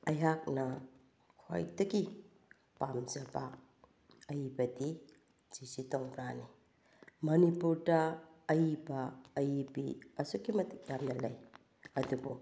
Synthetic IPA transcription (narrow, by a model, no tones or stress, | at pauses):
ɐjɦak̚nɐ | kʰo̰jdɐɡi | pamzɐbɐ | ɐjbɐdi | d͡ʒ̥isitɔŋɾani | mɐnipuɾdɐːjbɐːjbḭɐsukimɐtʰik̚jamnɐlɐj | ɐdubu